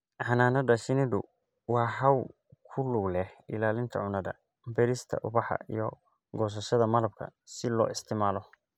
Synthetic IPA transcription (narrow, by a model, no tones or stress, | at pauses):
ʕɑnaːnɐd̪ɐʃɪnɪd̪ʊ̰ | wɑːħɐw | kʰʊluɡlɛhɪlaːlɪnt̪ʰɐ̰ʕʊnɐðɐ̰ | bɛɾɪst̪ʰɐ̰ʔʊβɑħɐ̰ḭjɔ | ɡɔːs̬ɐʃɐðɐmɐlɐb̚kʰɐ̰sɪlɔ̰ːɪst̪ʰɪːmaːlɔ